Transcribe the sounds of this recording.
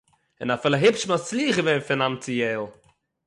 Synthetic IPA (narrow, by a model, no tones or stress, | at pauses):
ɪnafɪlˠəɦɪpʃmat͡sliːχɡəvenfɪnamt͡sijɛːlˠ